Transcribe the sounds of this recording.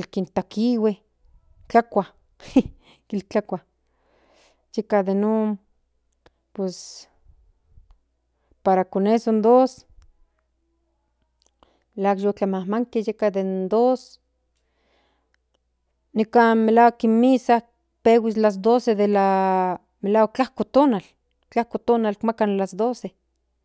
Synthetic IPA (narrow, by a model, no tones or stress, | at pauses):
lkint̪akiwe | t͡ɬakʷa | kilt͡ɬakʷa | jekad̪enon | pwes | paɾakonesond̪os | lakjot͡ɬamahmaŋkejekad̪ennd̪os | nikanmelawakinmisa | pewislas̬d̪osed̪ela | melaːwak̚t͡ɬahkot̪onal | t͡ɬahkot̪onalkmakanlasd̪ose